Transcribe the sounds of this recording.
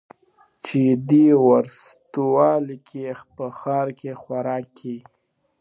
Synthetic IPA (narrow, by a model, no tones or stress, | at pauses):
t͡ʃed̪iwaɾs | t̪uwɑlikʰexpəxɑːɾkexwaɾɑkʰi